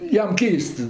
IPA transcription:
ˈjɛm ˈkʲɛɪst

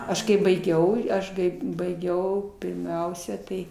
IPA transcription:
ˈɐʃ kɐɪ bɐɪˈɡʲɛʊ ˈɐʃ kɐɪ bɐɪˈɡʲɛʊ pʲɪrʲˈmʲɛʊsʲɛ tɐɪ

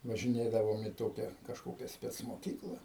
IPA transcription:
ʋɐʒʲɪˈnʲeːdɐʋoːm iː ˈtoːkʲɛ kɐʃˈkoːkʲɛ sʲpʲɛt͡smoːˈkʲiːklˠɐ

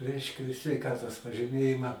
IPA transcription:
ˈrʲɛɪʃʲkʲɛ sʲʋʲɛɪˈkɑːtoːs pɐʒʲiːˈmʲeːjɪmɑː

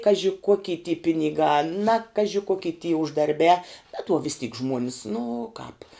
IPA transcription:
ˈkɑːʒʲɪ ˈkoːkʲiː tʲiː pʲɪnʲɪˈɡɑː nɐ ˈkɑːʒʲɪ ˈkoːkʲiː tʲiː ʊʒdɐrʲˈbʲæː bʲɛt uɔ ʋʲɪs tʲiːk ˈʒmuɔnʲɪs nʊ kɑːp

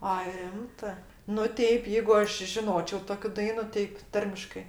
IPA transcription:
ɐ ˈrʲɪmtɜ nʊ ˈtʲɛɪp ˈjɛɪɡʊ ˈɐʃ ʒʲɪˈnoːt͡ʃʲoː ˈtoːkʲʊ ˈdɐɪnʊ ˈtʲɪk ˈtɐrʲmʲɪʃkɜ

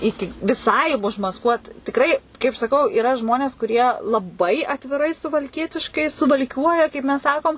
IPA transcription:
ˈɪkʲɪ ʋʲɪˈsɐɪ ʊʒmɐsˈkuɔt tʲɪkˈrɐɪ kɐɪp sɐˈkɐʊ ɪˈrɐ ˈʒmoːnʲeːs kʊˈrʲiɛ lˠɐˈbɐɪ ɐtʲʋʲɪˈrɐɪ sʊʋɐlʲˈkʲiɛtʲɪʃkɐɪ sʊʋɐlʲˈkʲuɔjɛ kɐɪp mʲɛs ˈsɑːkoːm

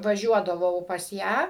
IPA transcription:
ʋɐˈʒʲuɔdɐʋɐʊ pɐs ˈjæː

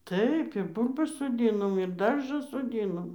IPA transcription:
ˈtɐɪp ɪr ˈbuːlʲbɐs soːˈdʲiːnoːm ɪr ˈdɐrʒɐ soːˈdʲiːnoːm

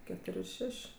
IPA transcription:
kʲɛˈtoːrʲ ɪr ˈʃʲɛʃʲ

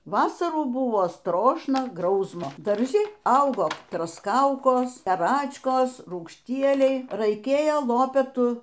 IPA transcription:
ˈʋɑːsɐruː ˈbʊʋoː ˈstroːʃnɐ ˈɡrɐʊsmoː dɐrʲˈʒʲɪ ˈɐʊɡoː troːsˈkɐʊkoːs pɐˈrɑːt͡ʃkɐs ruːkʃʲˈtʲiɛlʲɛɪ rɐɪˈkʲeːjoː ˈlˠoːpʲɛtʊ

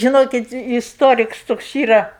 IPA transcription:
ʒʲɪˈnoːkʲɪt ɪsˈtoːrʲɪks ˈtoːks ˈiːrɐ

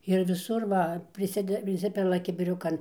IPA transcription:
ɪr ʋʲɪˈsʊr ˈʋɐ pʲrʲɪˈsʲɪdʲɛ pʲrʲɪˈsʲɪpʲɪlˠɐ kʲɪbʲɪˈrʲʊkɐn

